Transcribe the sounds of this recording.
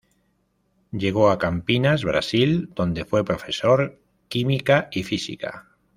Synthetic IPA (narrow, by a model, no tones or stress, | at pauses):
ɟ͡ʝe̞ɣ̞oakampinazβɾa̰sild̪̥o̞nd̪e̞fwe̞pɾo̞fe̞soɾ | kimikaifisḭka̰